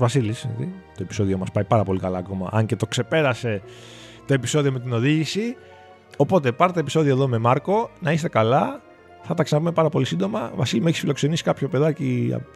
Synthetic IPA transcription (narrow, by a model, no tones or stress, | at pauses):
vɐsilisɐðit̪o̞epi̥so̞ðio̞mɐspɐjpɐɾɐpo̞likɐlɐːko̞mɐ̰ʔɐɲce̞t̪o̞kse̞pe̞ɾɐse̞ | t̪o̞episo̞ðio̞me̞t̪ino̞ðiʝisi | o̞po̞t̪e̞pɐɾt̪et̪oepi̥so̞ðio̞eðo̞me̞mɐɾko̞nɐist̪e̞kɐlɐ | θɐt̪ɐksɐnɐpume̞pɐɾɐpo̞lisind̪o̞mɐvɐsilimue̞çi̥sfilo̞kse̞nisi̥kɐpço̞pe̞ðɐciɐ̰